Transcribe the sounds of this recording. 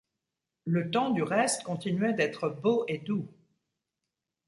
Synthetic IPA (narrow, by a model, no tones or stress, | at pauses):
lət̪ɑ̃d̪yʁɛst̪kɔ̃t̪inɥɛd̪ɛt̪χəboʔed̪u